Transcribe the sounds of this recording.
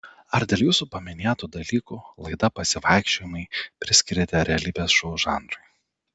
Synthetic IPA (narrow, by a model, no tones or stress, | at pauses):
ɐɾd̪ʲeːlˠjuːsupɐmʲɪnʲeːt̪uːd̪ɐlʲiːkuːlˠɐɪd̪ɐpɐsʲɪʋɑˑɪkʃʲt͡ʃʲoːjɪmɐɪpʲɾʲɪsʲkʲɪɾʲet̪ʲɛɾʲɛɐlʲiːbʲeːsʃɔʊʒɑːnd̪ɾʊɪ